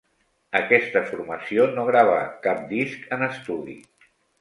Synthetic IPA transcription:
əkɛst̪əfuɾməsionoɣ̞ɾaβ̞ə̰kap̚d̪iskənəst̪uðḭ

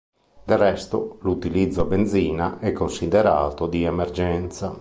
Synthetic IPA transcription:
d̪elrːɛst̪olut̪ilid̪zːoabend̪ziːnaʔɛkːonsid̪eɾa̰ːt̪od̪iemerd͡ʒɛnt̪sa

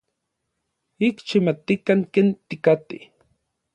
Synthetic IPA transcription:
ikt͡ʃimat̪ikaŋkeːnt̪ikat̪i

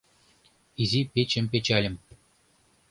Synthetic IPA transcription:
izipʲet͡ɕɘ̆mʲpʲet͡ɕɑlʲɘ̆m

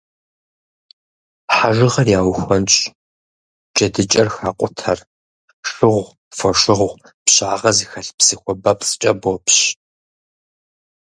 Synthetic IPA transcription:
ħaʒɨʁɐrjaːwxʷɐnt͡ʃʼ | d͡ʒɐdɨt͡ʃʼɐrxaːqʷʼʊtʰɐr | ʂɨʁʷ | fɐʂɨʁʁʷ | pɕʼaːʁɐzixɐɬpsɨxʷɔbɐpʼt͡sʼɨt͡ʃʼɐbopɕ

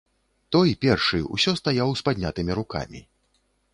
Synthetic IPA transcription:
t̪ɔjpʲɛrʂɨṵsʲɔst̪ajawspad̪ʲnʲat̪ɨmʲiɾuka̰mʲḭ

